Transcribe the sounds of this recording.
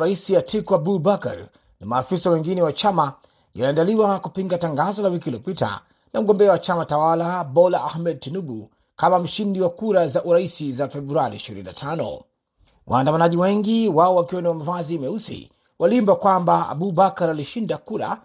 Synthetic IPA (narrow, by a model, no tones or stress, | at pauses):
ɾaisijatʰikɔabubaka̰ɾ | namaːfisawɛŋɡinɛwat͡ʃama | ja̰liandaliwakupiŋɡataŋɡazɔlawikiliɔpita̰ | nam̩ɡɔmbɛawat͡ʃamatawalabɔlaahmɛd̚tinubu | kamam̩ʃindiwakuɾazaʔuɾaisizafɛbɾuaɾiːʃiɾḭnḭnatʰanɔ̰ | wʔa̰ːndamanaʄiwɛŋɡiwaɔwakiwaniwamavaziːmɛusḭ | walimbakwambaa̰bubakaɾaliʃindakuɾa̰